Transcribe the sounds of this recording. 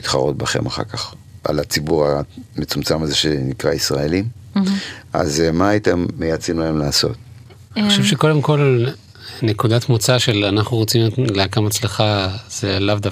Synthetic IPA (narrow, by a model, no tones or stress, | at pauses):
it̪χaʁot̚baχe̞̰maχa̰kaχa̰lat͡sibuʁamet͡sumt͡samazeʃenikʁaisʁaelim | a̰zmaːitemːejat͡sinlaemlaːso̞̰t̪̚ | χʃevʃe̞ko̞de̞mko̞l | ne̞kudat̪mot͡saʃe̞lanaχnuʁot͡simleakamat͡sleχaz̥elavd̪a